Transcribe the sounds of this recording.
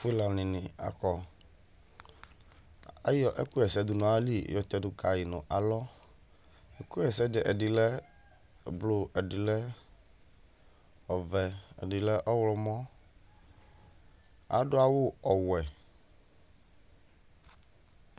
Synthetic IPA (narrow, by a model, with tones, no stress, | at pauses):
fla˨nɪ̃˨nɪ̃˨a̰˨kɔ˨ | a̰˦jɔ˨ʔɛ˦ku˦jɛ˨sɛ˦d̪ʊ˨nɔ̃˨˦a˦li˦˨jɔ˨t̪ɛ˨dʊ˨ka˨ji˨nʊ̰̃˨ʔa˨lɔ˦ | ɛ˨ku˦ɛ˨sɛ˦dɪ˨ʔɛ˨ɖɪ˨lɛ˦˨ | blo˦ɛ˨ɖɪ˨lɛ˦ | ɔ˨vɛ˨ɛ̰˨dɪ˨lɛ˦ʔɔ˦wlɔ˦mɔ̃˦ | a̰˨ɖʊ˦a˦wʊ˦ɔ˨wɛ˨